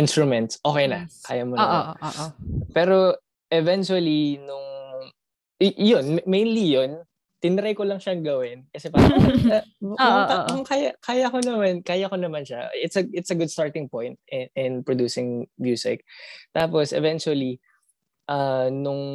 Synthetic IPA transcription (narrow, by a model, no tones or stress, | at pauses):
ɪnst̪ɾʊmɛnt̪sʔoːkejnɐkaːjamonːɐʔo | pɛːɾo̞ | ʔɛvɛnt͡ʃuɐlinʊŋ | jonmejnlijon | t̪ɪnɪɾɐjkolɐŋʃɐŋɡɐwɪnkɐsɛpaɾɐɐɐkaŋkaːjɐkaːjɐkonɐmankaːjɐkonɐmanʃaʔɪt̪sɐɪt̪sɐɡʊd̪̚st̪aɹt̪ɪŋpõjnt̪̚ɪʔɪnpɹod̪uːsɪŋmjuːsɪ̰k̚t̪aːposʔɛ̰vɛnt͡ʃuɐli | ʔɐnʊŋ